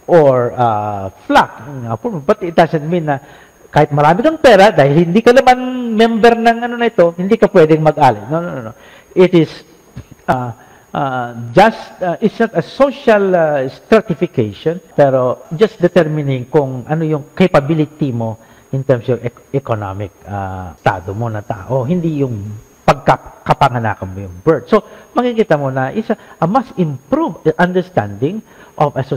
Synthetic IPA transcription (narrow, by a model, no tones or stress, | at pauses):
ʔoɹaflak̚ŋa̰pobɐt̪ɪt̪̚d̪asɛnt̪̚mĩnːɐ | kaːhɪt̪̚mɐɾaːmɪkɐŋpɛːɾad̪aːhɪlhɪnd̪iːkɐnɐmanmɛmbɛɾnɐŋʔɐnonɐʔɪt̪o̞hɪnd̪iːkɐpwɛːd̪ɛŋmɐɡ̚ʔaːlɪnononono̰ | ʔɪt̪ɪs | a | ʔad͡ʒast̪ʔɪt̪snɐt̪ɐsoʃalst̪ɾat̪ɪfɪkejʃõnpɛɾod͡ʒɐst̪d̪ɛt̪ɛɹmɪnɪ̃ŋkʊŋʔɐnojʊŋkejpɐbilɪt̪imo̞ | ʔɪnt̪ɛɹmsoŋɛɛkona̰mɪk̚a̰st̪a̰ːd̪omonɐŋt̪a̰ʔoɦɪnd̪ijʊŋ | pɐɡ̚kakɐpɐŋɐna̰ːkɐnmojʊŋbɛɹt̪̚somɐɡikit̪ɐmonɐʔɪsʔɐmɐst̪ɪ̃mpɾuvʔɐnd̪ɛɹst̪ã̰nd̪ɪ̃ŋʔovɐso